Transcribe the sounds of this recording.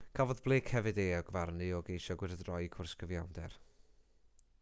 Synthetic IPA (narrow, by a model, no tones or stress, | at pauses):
kʰavɔðblˠeːkʰhɛvɨdeːɔɡvarnɨɔɡejʃɔɡwɪɾədrɔjkʰʊrskəvjawndɛr